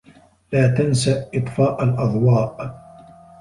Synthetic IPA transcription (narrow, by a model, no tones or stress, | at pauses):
laːt̪ansaʔʔɨt̪ˤfɑːʔalʔɑðˤwɑːʔ